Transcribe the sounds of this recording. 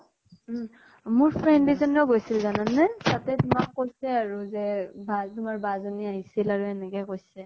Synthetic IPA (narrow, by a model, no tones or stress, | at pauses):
mʊɹpʰɹɛndizɔnɔɡojsilzananːɛtatɛtʊmakːojsɛaɹuzɛbatʊmaɹbazoniaɦisilaɹuɛnɛkɛkojsɛ